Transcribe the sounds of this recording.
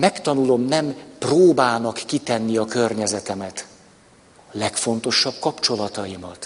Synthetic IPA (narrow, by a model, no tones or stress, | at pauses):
mɛkt̪ɒnulo̞mnɛmproːbaːnɒkːit̪ɛnːiɒkørɲɛzɛt̪ɛmɛt̪ | lɛkfo̞nt̪o̞ʃɒb̚kɒpt͡ʃo̞lɒt̪ɒjimɒ̰t̪